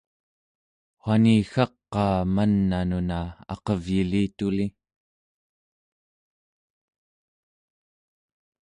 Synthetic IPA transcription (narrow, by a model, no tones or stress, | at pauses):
χwaniːxɑqːɑːmanːanunaɑ̰qʌvjiliːt̪uli